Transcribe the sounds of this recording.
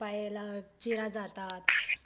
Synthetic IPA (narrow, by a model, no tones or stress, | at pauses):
paelat͡ɕiɾad͡zat̪at̪